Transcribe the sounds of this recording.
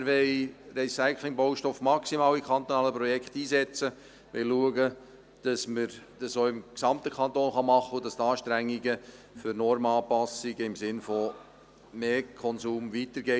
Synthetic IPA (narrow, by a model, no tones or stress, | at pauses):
ɾʋɛɪɾɛsaɪkʰlɪŋbowʃtɔfmɑksimɑːlikʰχɑnt̪onɑːləpɾɔjɛkχt̪iːsɛt͡sə | ʋɛ̰lluəɡə | d̥ɑsməɾd̥ɑsoːɪmksɑmt̪əkʰɑnt̪oːnχɑmɑχːəud̥ɑst̪ɑːʃtɾæŋːiɡə | fʏɾnɔɾmɑːpɑsiɡəɪmsɪnfɔ | meːkʰɔnsuːmʋit̪əɾɡɛ